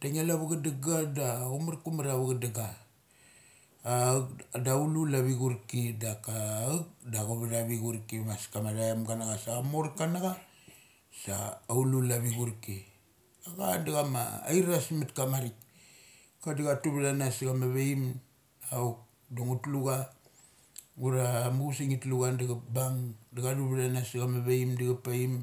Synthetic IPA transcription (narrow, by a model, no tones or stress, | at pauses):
daŋalaβaɡadaɡadaɡumaɾkumaɾaβaɡadaɡa | kdaululaβiɡuɾkidakak̚daɡoβadaβiɡuɾkimaskamaɾajamɡanaɡasaamoɾkanaɡa | sa̰ːululaβiɡuɾki | aɡa̰daɡama̰ːiɾasmatkamaɾik | kadaɡatuβdanasɡamaβejm | aok̚ | doŋutluɡa | ɡuɾamɡusiŋitluɡandaɡabaŋdaɡaɾuβɾanasɡamaβeimdiɡapaim